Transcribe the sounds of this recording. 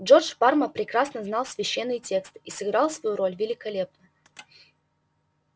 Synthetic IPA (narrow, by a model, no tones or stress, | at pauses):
ʐo̞rd͡ʒbarməpɾʲɪkɾasnəznalˠsvʲɪɕːenːɨjtʲe̞kst̪isɨɡɾɑlˠsvɐjuɾo̞lʲvʲɪlʲɪkɐlʲe̞p̚nə